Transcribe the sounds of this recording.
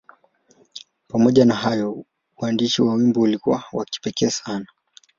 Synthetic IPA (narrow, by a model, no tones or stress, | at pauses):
pamɔʄanaɦajɔ | uandiʃiwawimbɔulikuwawaki̥pɛkɛːsana